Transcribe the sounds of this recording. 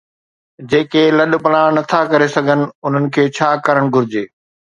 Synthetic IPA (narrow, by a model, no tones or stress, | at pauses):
d͡ʑeːkelɐɗ̆pɐlãnɐt̪ʰakɐɾesɐɡʱənɪ̆ʊn̤ənɪ̆kʰeːt͡ɕʰaːkɐɾəɽ̃ɡʱʊɾɪd͡ʑeː